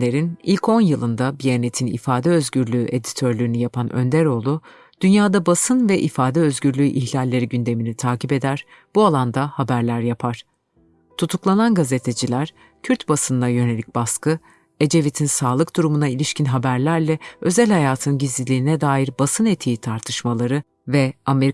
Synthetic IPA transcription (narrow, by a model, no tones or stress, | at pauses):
e̞ɾinilʲcʰo̞njɯlˠɯnd̪abijenet̪ʰinḭfaːd̪ɛø̞zɟyɾlʲyːʔe̞d̪i̥t̪ʰø̞ɾlʲyɾynyjapʰanʔø̰nd̪æɾo̞lˠu | d̪̥ynjaːd̪abasɯnvɛʔifaːd̪ɛøzɟyɾlʲyːʔiçlʲalʲːe̞ɾiɟynd̪e̞minit̪ʰaːcipe̞d̪æɾ̥ | b̥ualˠand̪ahabæɾlʲæɾjapʰaɾ̥ | t̪ʰut̪ʰuklˠananɡaze̞t̪ʰe̞d͡ʒilʲæɾ̥ | cʰyɾt̪basɯnlajø̞ne̞lʲic̚baskɯ | e̞d͡ʒe̞vit̪ʰinsaːlˠɯk̚d̪uɾumunailʲiʃcʰinɦabæɾlʲæɾlʲɛø̞zælʲhajaːt̪ʰɯnɟizlʲilʲiːnɛd̪aːjiɾbasɯnet̪ʰiit̪ʰaɾt̪ʰɯʃmalˠaɾɯ | vɛameɾ